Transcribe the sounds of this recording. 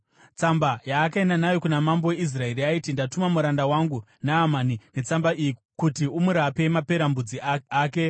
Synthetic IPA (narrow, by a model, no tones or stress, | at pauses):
t͡sambajaːkaenanajo̞kunamambowe̞is̬rae̞riaitindatumamuɾandawaŋɡu | naːmaːnine̞t͡sambaiji | kutiumuɾape̞mape̞ɾambud͡ziaaːke̞